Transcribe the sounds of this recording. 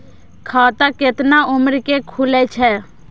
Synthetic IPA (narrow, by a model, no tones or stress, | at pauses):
kʰaːt̪akɪt̪naʊməɾkekʰʊlɛt͡ʃʰɛː